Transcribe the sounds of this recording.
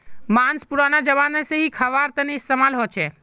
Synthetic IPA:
maːnspuɾanad͡ʒəʋanəseɦikʰəʋaːɾt̪əniɪst̪emalɦot͡ʃʰeː

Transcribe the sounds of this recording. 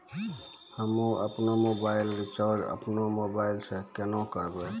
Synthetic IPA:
həmũəpnomobaɪlɾit͡ʃəɾɖə̰pnomobaɪlsekenõkəɾbe

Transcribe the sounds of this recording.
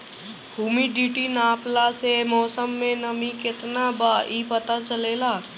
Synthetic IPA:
huːmiɖiʈinaːplasemɔːsəmːẽnəmĩkɪt̪nabaːʔipət̪at͡ʃəleːlaː

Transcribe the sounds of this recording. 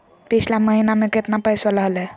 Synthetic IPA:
pit͡ʃʰlaməɦinameket̪napəjswələɦəlɛ

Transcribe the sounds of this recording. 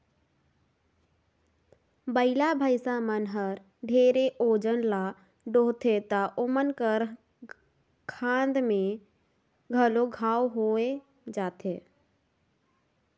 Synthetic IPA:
bəɪlabʱəɪsamənɦəɾ | ɖʱeɾeʔod͡ʒənla | ɖoɦt̪ʰet̪əʔomənkəɾ | kʰãnd̪me | ɡʱəloɡʱaːwɦoe | d͡ʒat̪ʰe

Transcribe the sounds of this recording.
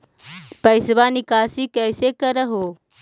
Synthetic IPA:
pɐɪsʋanikaːsikəːsekəɾəɦoː

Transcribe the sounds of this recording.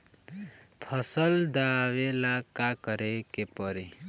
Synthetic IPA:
pʰʌsʌld̪awelakakʌɾekepʌɾi

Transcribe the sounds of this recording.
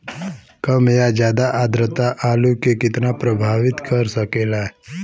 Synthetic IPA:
kəmjad͡ʒjaːd̪aʔad̪ɾət̪aʔaːlukekɪt̪napɾəbʱaːʋɪt̪kəɾsəkelaɦɛ

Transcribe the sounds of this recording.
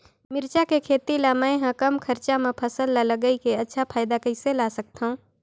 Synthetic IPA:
mɪɾt͡ʃakekʰeːt̪ilamə̃ɦãkəmkʰəɾt͡ʃamẽpʰəsəlːaləɡəikeɐtːʃʰapʰaːɪd̪akəɪselaːsək̚t̪ɦũː

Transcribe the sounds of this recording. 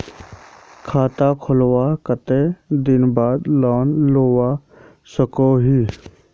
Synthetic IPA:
kʰaːt̪akʰʊlwaːkət̪eːd̪ɪnbaːd̪lɔːnloːwaː | səkoːɦiː

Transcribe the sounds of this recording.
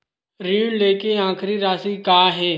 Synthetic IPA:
ɾiːũleːkeːãːkʰɾiːɾaːsiːkaːɦeː

